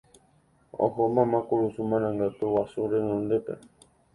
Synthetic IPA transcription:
o̰ɦomãmãkuɾusumãɾ̃ãŋɡat̪uwasuɾenõnd̪epḛ

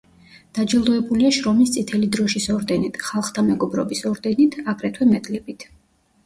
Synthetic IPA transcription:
d̪̥ad͡ʒɛlˠd̪ɔɛbuliaʃɾɔmist̪sʼit̪ʰɛlid̪ɾɔʃisɔɾd̪ɛnit̪ʰχalˠχt̪ʰamɛɡɔbɾɔ̰bisɔɾd̪ɛnit̪ʰaɡɾɛt̪ʰwɛmɛd̪lɛbit̪ʰ

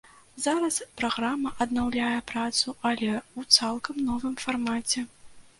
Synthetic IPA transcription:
zaɾɐspɾaɣɾamːɐʔɐd̪nawlʲajɛpɾat̪suʔɐlʲɛut̪salˠkɐmnɔvɨmfarmat͡sʲɛ

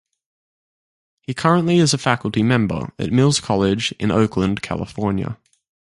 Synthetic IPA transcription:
hikʰʌɹə̃nʔliɪzəfækəlˠtimɛ̃mbə̰ɹə̰ʔ̚mɪlˠz̥kʰɒlˠɪd͡ʒɪ̰̃nə̰ʊkʰlə̃nkʰæ̰lˠə̰fɔːnjə̰

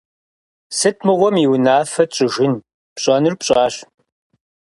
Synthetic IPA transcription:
sɨtʰmɨʁʷɔmiwnaːfɐt͡ʃʼɪʒɪn | pɕʼɐnɨrpɕʼɑːɕ

